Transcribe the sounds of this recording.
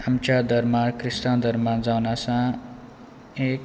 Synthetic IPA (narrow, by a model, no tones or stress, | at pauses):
amt͡ʃad̪ʌɾmakrisʈãd̪ʌɾmad͡zawnasã | ek